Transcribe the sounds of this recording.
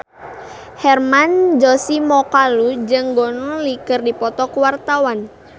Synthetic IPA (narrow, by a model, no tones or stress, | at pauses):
hɛrmand͡ʒɔsimɔkalud͡ʒɨŋɡɔnɔlikɨrdipɔt̪ɔkuwart̪awan